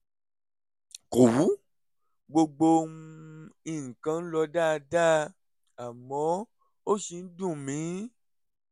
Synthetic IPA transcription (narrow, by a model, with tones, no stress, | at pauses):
ko˨wu˨˦ | ɡ͡bo˧ɡ͡bo˧ũ˧i˨ŋ̩˨kã˧˦n̩˦lɔ˧da˦˨˧da˦ | a˨mɔ̃˨˦ | o˦ʃi˧n̩˦dũ˦˨mĩ˨˦